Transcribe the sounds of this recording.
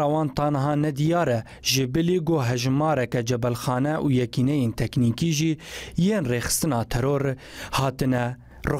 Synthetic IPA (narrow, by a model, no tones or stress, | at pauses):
ɑwɑːnt̪ɑːnɐɦɑːnɛd̪ijɑːɾɛ | ʒɪbɪliɡoːɦɛʒmɑːɾɛkɛd͡ʒɛbɛlxɑːnɛʔuːjɛkiːnɛjeːnt̪ʰɛkniːkiːʒiːjeːnreːxɨ̥st̪ɨnɑːt̪ʰɛɾoːɾ | hɑːt̪ɨnɛ | rɨ